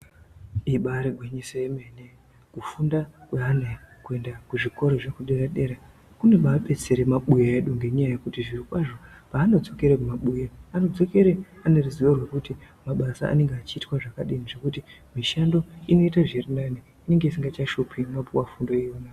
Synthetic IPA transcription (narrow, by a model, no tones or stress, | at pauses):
iɓaɾeɡʱweɲisojemene | kufundakweɦanekue̞ndakuʐiko̞ɾo̞ʐekuɗe̞ɾaɗe̞ɾa | kuneɓaːpe̞t͡se̞ɾemaɓujeeɗuŋɡe̞ɲajajekutiʐirikwaʐo̞ | paːno̞d͡zo̞ke̞ɾekumaɓujaano̞d͡zo̞ke̞ɾeane̞ruziʋarwe̞kuti | maɓasa̰a̰ne̞ŋɡeat͡ʃiːtwaʐakaɗiniʐekutimiʃando̞ino̞itaʐerinani | ine̞ŋɡeisiŋɡat͡ʃaʃupʰimapuwafundo̞ijona